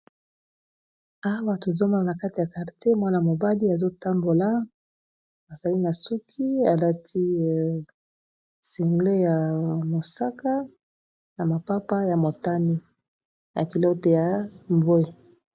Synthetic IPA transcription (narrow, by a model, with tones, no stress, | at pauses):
a˦ba˨ta˨zo˦ma˦la˨na˨ka˦ti˨ja˨ka˨ʁte˦mwa˦na˨mo˨ba˦li˦a˨zo˦ta˦mbo˨la˦ | a˨za˨li˦na˨su˦kʰi˦a˨la˦tʰi˦ | si˨ŋɡle˦ja˨mo˨sa˦ka˦ | na˨ma˨pa˦pa˦ja˨mo˨ta˦ni˦ | ja̰˨ki˨lo˦te˨ja˨mbwe˦